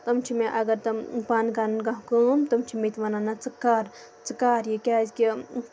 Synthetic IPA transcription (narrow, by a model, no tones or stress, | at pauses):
t̪ɐmt͡ʃʰimeʔɐɡɐɾt̪ɐmpaːnkaːɾɐnkaɦkəːmt̪ɐmt͡ʃʰimet̪ʋɐnanɐt͡sɨkːaːɾ | t͡sɨkːaːɾjikʲazki